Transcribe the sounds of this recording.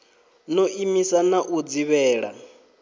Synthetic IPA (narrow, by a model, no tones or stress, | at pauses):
noʔimisanaʔud͡ziβɛːɺa̰